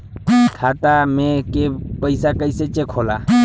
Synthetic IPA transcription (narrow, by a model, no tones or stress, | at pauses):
kʰaːt̪amẽkepəɪsakəɪset͡ʃekʰoːlaː